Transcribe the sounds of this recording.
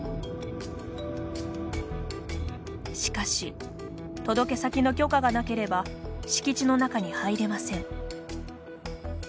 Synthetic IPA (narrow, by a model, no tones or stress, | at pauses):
ɕi̥kaɕi | t̪o̞d̪o̞ke̞sakʲino̞kʲo̞ːkaɡanake̞ɾe̞baɕi̥kʲit͡ɕino̞nakaɲ̟ihaiɾe̞masẽ̞ɴ